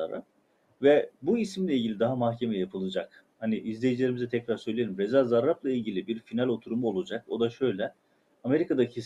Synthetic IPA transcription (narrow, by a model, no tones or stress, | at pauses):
a̰ɾa̰ | vɛbuisimlʲɛilʲɟilʲid̪aɦamahce̞mɛjapʰɯlˠɯd͡ʒak | haniʔizlʲejid͡ʒilʲeɾimizɛt̪ʰɛcɾaɾsø̞jlʲeimɾezazaɾːaplˠailʲɟilʲibiɾfinalʲo̞t̪ʰuɾumuo̞lˠud͡ʒako̞d̪aʃø̞jlʲɛ | ame̞ɾikʰad̪acʰi